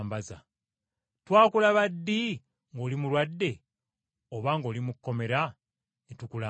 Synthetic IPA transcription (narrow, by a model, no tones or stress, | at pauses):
mbaza̰ | twaːkulaβadːi | ŋɡo̞ːlimulwadːe̞ | oβaŋɡo̞ːlimukːo̞me̞ɾa | netukula